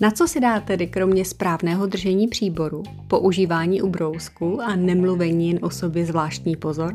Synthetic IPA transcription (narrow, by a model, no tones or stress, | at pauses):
nat͡so̞sɪdaːt̪ɛdɪkɾo̞mɲɛspɾaːvnɛːɦo̞d̪r̩ʒɛɲiːpr̝̥iːbo̞ɾu | po̞ʔuʒiːvaːɲiːʔubɾo̞wskuʔanɛmluvɛɲiːjɛnʔo̞so̞bjɛzvlaːʃt̪ɲiːpo̞zo̞ɾ